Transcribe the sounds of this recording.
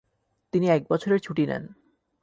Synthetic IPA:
t̪iniɛk̚bɔt͡ɕʰoɾeɾt͡ɕʰuʈinɛ̰n

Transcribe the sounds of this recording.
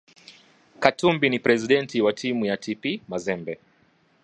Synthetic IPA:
katumbinipɾɛziɗɛntiwatʰimujatʰipimazɛmbɛ

